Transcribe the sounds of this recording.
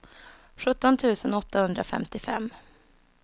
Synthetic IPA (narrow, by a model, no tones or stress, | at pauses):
ɧɵt̪ːɔnt̪ʰʉ̟ːsənɔt̪ːahɵnd̪ɾa̰fɛ̰mt̪ɪfɛ̰mː